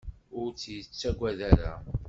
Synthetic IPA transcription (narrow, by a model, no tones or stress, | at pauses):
ʊɾt͡sːjət͡sːæɡʷæðæɾæ̰